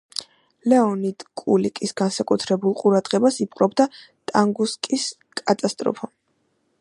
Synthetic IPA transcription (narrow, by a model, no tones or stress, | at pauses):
lɛɔnid̪̥kʼulikʼisɡansakʼut̪ʰɾɛbulˠqʼuɾad̪ʁɛbasip̚ʼqʼɾɔbd̪a | t̪ʼaŋɡuskʼis | kʼat̪ʼast̪ʼɾɔ̰pʰɔ